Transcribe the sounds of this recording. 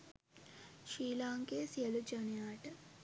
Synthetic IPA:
ʃiːlaːŋɡeːsijɐlud͡ʒɐnijaːʈə

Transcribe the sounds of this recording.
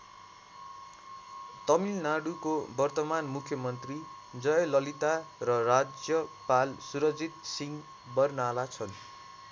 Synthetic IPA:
t̪ʌmilnaɽukobʌrt̪ʌmanmukʰːjʌmʌnt̪ri | d͡zʌjʌlʌlit̪arʌrad͡zjʌpalsuɾʌd͡zit̪siŋ | bʌrnalat͡sʰʌn

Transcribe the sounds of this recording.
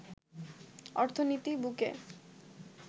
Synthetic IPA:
ɔɾt̪ʰonit̪ibukḛ

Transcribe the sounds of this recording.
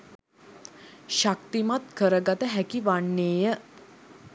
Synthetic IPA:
ʃakt̪imat̪kəɾəɡat̪əɦækiʋaɳːeːjə

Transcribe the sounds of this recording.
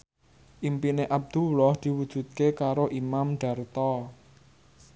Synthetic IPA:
ʔimpineʔab̚d̪̥uwlɔhd̪̥i̤wud̥ʒ̥ṳt̪̚kekaɾoʔimamɖ̥a̤rt̪ɔ

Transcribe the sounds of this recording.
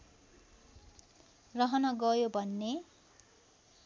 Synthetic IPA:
rʌɦʌnʌɡʌjobʱʌnːe

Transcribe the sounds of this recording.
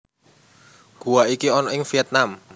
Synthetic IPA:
ɡ̥ṳwaikiɔnɔɪŋfiɛt̪̚nam

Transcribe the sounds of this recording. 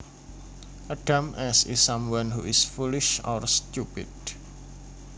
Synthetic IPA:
ʔaɖ̥amʔɛsɪsamwanhuɪsfulɪʃɔ̰rstupɪ̰d̥

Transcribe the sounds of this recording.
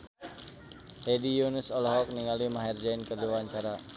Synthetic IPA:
hɛdijunisɔlɔɦɔk̚niŋalimaɦɛrd͡ʒainkərdiwaɲt͡ʃaɾa

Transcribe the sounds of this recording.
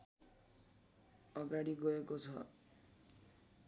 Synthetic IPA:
ʌɡaɽiɡʌekot͡sʰʌ

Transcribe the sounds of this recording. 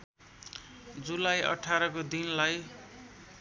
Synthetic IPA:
d͡zulajʔʌ̰ʈʰaɾʌkod̪inlaj

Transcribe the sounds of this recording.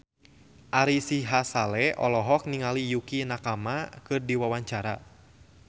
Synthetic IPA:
ʔaɾisiɦasalɛɔlɔɦɔk̚niŋalijukinakamakɨrdiwawaɲt͡ʃaɾa̰

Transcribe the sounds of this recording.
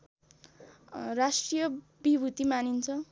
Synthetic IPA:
rasʈrijʌ | bibʱut̪imanint͡sʰʌ

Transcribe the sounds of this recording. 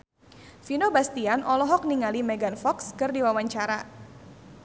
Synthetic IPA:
finobast̪ianʔɔlɔɦɔk̚niŋalimɛɡanfɔkskɨrdiwawaɲt͡ʃaɾa

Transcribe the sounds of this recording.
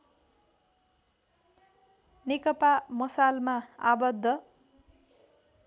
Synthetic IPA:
nekʌpamʌsalmaabʌd̪ʱːʌ

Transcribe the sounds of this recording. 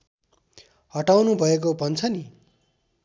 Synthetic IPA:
hʌʈawnubʱʌek̬obʱʌnt͡sʰʌni

